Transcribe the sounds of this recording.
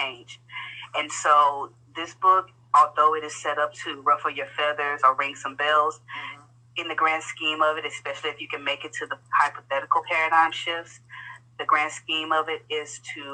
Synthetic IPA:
t͡ʃẽɪ̃nd͡ʒɨ̃nsoʊ | ðɪsb̥ʊk | ɔlˠðoʊɨɾɨz̥sɛɾʌp̚tʰɨɹʌfʌvjə˞fɛðə˞zə˞ɹɪ̃ŋsʌ̃mbɪlˠz̥ | ɨ̃nðɨɡɹæ̃nd̥skĩmʌvɨɾɨspɛʃl̩ˠiɨfjɨkɨ̃nmeɪkɨtʰɨðəhaɪpəθɛɾɨkl̩ˠpʰɛɹɨɾãɪ̃mʃɪfsðɨɡɹæ̃nd̥skĩmʌvɪɾɪz̥tʰɨ

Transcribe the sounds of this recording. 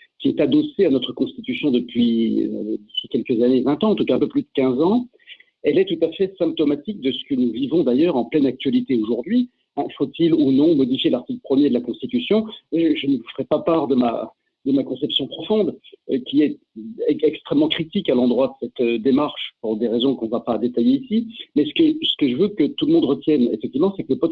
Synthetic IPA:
kʲiɛt̪ad̪ɔseanɔt̪χəkɔ̃st̪it̪ysjɔ̃d̪əpɥiø̰d̪əsikʲɛlkəzanevɛ̃t̪ɑ̃ɑ̃t̪ukaɛ̃pøplyd̪əkʲɛ̃zɑ̃ | ɛlɛt̪ut̪afɛsɛ̃p̚t̪ɔmat̪ik̚d̪əsə̥kənuvivɔ̃d̪ajœʁɑ̃plɛnak̚t̪ɥalit̪eoʒuʁd̪ɥi | ɛ̃fot̪ilunɔ̃mɔd̪ifjelaʁt̪ikləpχəmjed̪əlakɔ̃st̪it̪ysjɔ̃ʒəʒənəufəʁɛpapaʁd̪əma̰ | d̪əmakɔ̃sɛpsjɔ̃pχɔfɔ̃d̪økʲiɛt̪ | ɛkst̪χɛmːɑ̃kχit̪ikalɑ̃d̪ʁwad̪əsɛt̪ød̪emaʁʃpuʁd̪eʁezɔ̃kɔ̃vapad̪et̪ajeisimɛsə̥kəsə̥kəʒəvøkət̪ulmɔ̃d̪ʁət̪jɛnḛfɛk̚t̪ivmɑ̃sɛkələpɔt̪

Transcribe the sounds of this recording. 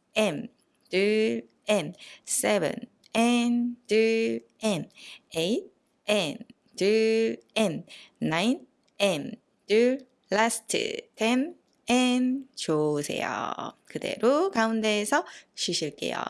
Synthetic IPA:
em | tɯ | ensebɯ̰n | entɯ | eneit̚ | en | tɯenːain | em | tɯ | lastʰɯ̰tʰen | ent͡ɕosʰe̞̰jo̰kɯde̞̰ɾokaunde̞sʰʌɕiɕiɭk͈e̞̰jo̰

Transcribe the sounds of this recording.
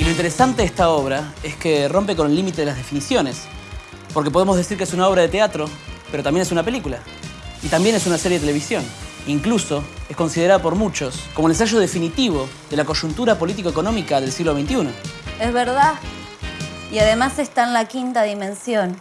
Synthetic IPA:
ilo̞int̪eɾesant̪eest̪aoβ̞ɾaeskero̞mpeko̞nelːimit̪eelazðefinisjo̞nes | po̞ɾke̞poð̞emo̞zðe̞siɾkeesunao̞βɾaðet̪eat̪ɾo̞peɾot̪ambje̞nesunape̞likula | it̪ambje̞nes̬unaseɾjeet̪ele̞βisjo̞niŋkluso̞esko̞nsiðeɾaðapo̞ɾmut͡ʃo̞skomolensaʒo̞ðefinit̪iβ̞o̞ | ðelako̞ʒunt̪uɾapo̞lit̪̬ikoekonõ̞mikaðe̞lsiɣlo̞βe̞jnt̪iunoezβeɾða | iaðemasest̪aenlakint̪aðimẽ̞nsjo̞n

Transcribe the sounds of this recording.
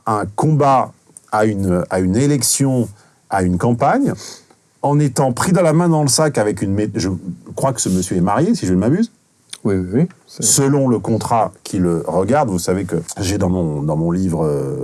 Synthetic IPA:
ɛ̃kɔ̃ba | aynaynelɛksjɔ̃ | aynkɑ̃paɲ | ɑ̃net̪ɑ̃pχid̪əlamɛ̃d̪ɑ̃ləsakavɛkynmeʒəkχwakə̥səməsjøɛmaʁjesiʒənmabyz | wiwiwi | səlɔ̃ləkɔ̃t̪χakʰʲiləʁəɡaʁd̪vusavekəʒed̪ɑ̃mɔ̃d̪ɑ̃mɔ̃livʁə

